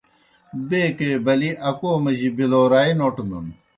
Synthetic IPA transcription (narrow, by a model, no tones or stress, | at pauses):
beːkeːbɐliʔɐkoːmɐʑibiloːɾaːinoːʈund̪ṵn